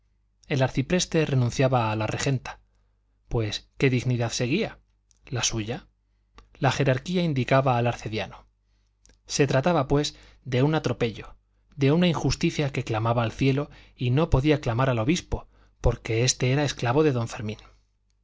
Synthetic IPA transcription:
e̞laɾθipɾe̞st̪e̞re̞nũnθjaβaːlare̞xe̞nt̪ḁ | pwe̞ske̞ðiɣniðaðse̞ɣ̞ia | lasuʝa | laxe̞ɾaɾkiaind̪ikaβaːlaɾθe̞ðjano | se̞t̪ɾat̪aβapwe̞s | d̪e̞unat̪ɾo̞pe̞ʎo̞ | d̪e̞unaiŋxust̪iθjake̞klamaβaːlθje̞lo̞ | ino̞po̞ðiaklamaɾalo̞βispo̞ | po̞ɾke̞e̞st̪e̞eɾae̞sklaβo̞ðe̞ðo̞ɱfe̞ɾmĩn

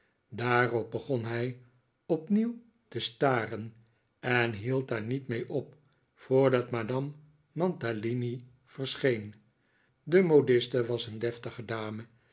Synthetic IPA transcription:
daːrɔp̚bəχɔnɦɛj | ɔpniw | təstaːrən | ɛnɦilˠt̚daːɹnitmejʔɔp̚ | foːɹdɑtmadɑmː | ɑntalini | v̥əɹsχejn | dəmodɪstəʋɑsəndɛftəχədaːmə

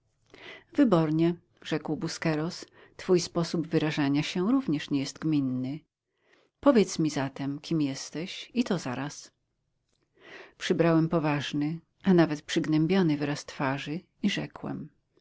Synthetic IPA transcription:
vɘbɔɾɲɛ | ʐɛkwbuskɛɾɔs | t̪fujspɔsubvɘɾaʐaɲaɕɛɾuvɲɛʂɲɛjɛst̪̚ɡmʲinːɘ | pɔvʲjɛt̪smʲizat̪ɛmkʲimjɛst̪ɛɕit̪ɔzaɾas | pʂɘbɾawɛmpɔvaʐnɘ | ʔanavɛt̪pʂɘɡnɛmbʲjɔnɘvɾast̪faʐɘ | iʐɛkwɛ̰m

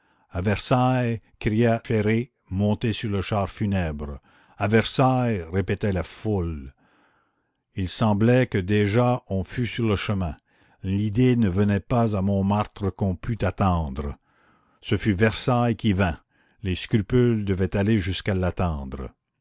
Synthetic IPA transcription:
avɛʁsajkʁijafeʁe | mɔ̃t̪esyʁləʃaʁfynɛbʁ | avɛʁsajʁepet̪ɛlaful | ilsɑ̃blɛkəd̪eʒaɔ̃fysyʁləʃəmɛ̃ | lid̪enəvənɛpazamɔ̃maʁt̪ʁəkɔ̃pʰyt̪at̪ɑ̃ːd̪ʁə | səfyvɛʁsajkʲivɛ̃ | leskɾypyld̪əvɛt̪aleʒyskalat̪ɑ̃ːd̪ʁə

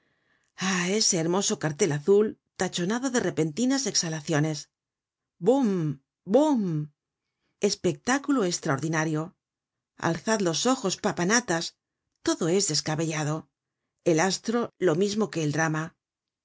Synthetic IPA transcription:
ae̞se̞ːɾmo̞so̞kaɾt̪e̞laθult̪at͡ʃo̞naðo̞ðe̞re̞pe̞nt̪inase̞ksalaθjo̞ne̞s | bom | bom | e̞spe̞k̚t̪akuloest̪ɾaoɾðinaɾjo̞ | a̰lθaðlo̞so̞xo̞spapanat̪as | t̪o̞ðo̞e̞zðe̞skaβe̞ʎaðo̞ | e̞last̪ɾo̞lo̞mizmo̞ke̞ːld̪ɾama

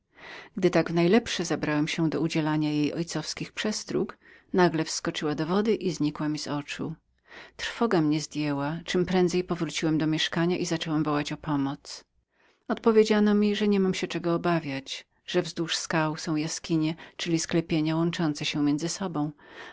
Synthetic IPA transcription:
ɡd̪ɘt̪aɡvnajlɛpʂɛzabɾawɛmɕɛd̪ɔud͡ʑɛlaɲajejɔjt̪sɔfskʲixpʂɛst̪ɾṵk | naɡlɛfskɔt͡ʂɘwad̪ɔvɔd̪ɘʔizɲikwamʲizɔt͡ʂṵ | t̪ɾfɔɡamɲɛzd̪ʲjɛwat͡ʂɘmpɾɛnd̪zɛjpɔvɾut͡ɕiwɛmd̪ɔmʲjɛʂkaɲaʔizat͡ʂɛwɛmvɔwat͡ɕɔpʰɔmɔt̪s | ɔt̪pɔvʲjed͡ʑanɔmʲiʐɛɲɛmamɕɛt͡ʂɛɡɔːbavʲjat͡ɕ | ʐ̥ɛvzd̪uʂskawsɔ̃w̃jaskʲiɲɛt͡ʂɘlʲisklɛpʲjeɲawɔnt͡ʂɔnt̪sɛɕɛmʲjɛnzɘsɔbɔ̃w̃

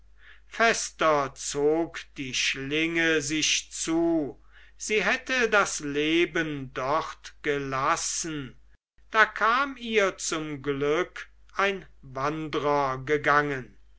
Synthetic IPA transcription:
fɛstɐt͡soːkd̥iːʃlɪŋəzɪʃt͡suː | z̥iːɦɛtədasleːbəndɔχtɡ̥əlasən̩ | d̥aːkʰaːmiːɐt͡sʊmɡlʏk | ʔaɪn | vandʁɐɡəɡaŋən

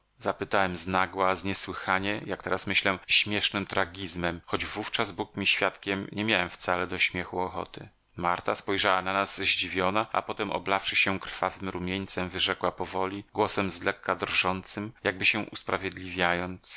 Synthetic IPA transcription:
zapɘt̪awɛmznaɡwazɲɛswɘxaɲɛjak̚t̪ɛɾasmɘɕlɛɕmʲjɛʂnɘmt̪ɾaɡʲizmɛmxɔd͡ʑvuft͡ʂazbukmʲiɕfʲjat̪kʲɛmɲʔɛmʲjawɛmft̪salɛd̪ɔɕmʲjɛxuɔxɔ̰t̪ɘ̰ | maɾt̪aspɔjʐawananazʑd͡ʑivʲjɔnaʔa̰pɔt̪ɛmʔɔ̰blafʂɘɕɛkɾ̥favɘmɾumʲjeɲt̪sɛmvɘʐɛkwapɔvɔlʲiɡwɔsɛmzlɛkːad̪rʐɔnt̪sɘmjaɡ̚bɘɕɛʔuspɾavʲjed̪lʲivʲjajɔnt̪s

